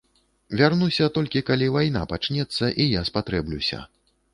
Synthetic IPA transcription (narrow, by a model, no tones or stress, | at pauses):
vʲarnusʲɐt̪ɔlʲkʲikalʲivajn̪a̰pat͡ʂnʲɛt̪sːɐʔijaspat̪ɾɛblʲusʲɐ̰